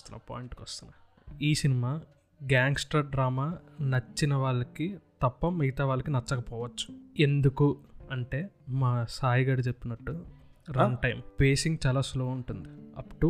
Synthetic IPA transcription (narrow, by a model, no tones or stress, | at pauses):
t̪unːɐ̰pa̰ːjɳʈkɐst̪unːɐ | iːsinimaː | ɡaːŋɡsʈɐːɾɖɾaːmaːnɐt͡ʃːinɐʋaːɭːɐkit̪ɐpːɐmiɡɐt̪aːʋaːɭːɐkinɐt͡ʃːɐkɐpɔːʋɐt͡ʃːu̥e̞nd̪ukuɐɳʈe̞ːmaːsaːjiɡaːɽɐt͡ʃe̞pːinɐʈːuɾɐnʈɐjmpe̞ːsiŋɡt͡ʃaːlaːslo̞ːuɳʈund̪iɐpːu̥ʈu